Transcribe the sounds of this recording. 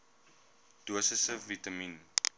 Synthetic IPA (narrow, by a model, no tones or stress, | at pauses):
d̥uəsəsəvitɐmin